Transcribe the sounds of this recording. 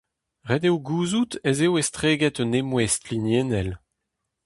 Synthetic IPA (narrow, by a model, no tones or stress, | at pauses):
ʁɛd̪ewɡuːzut̪ezewest̪ʁeːɡɛt̪ənemwɛst̪linjenɛl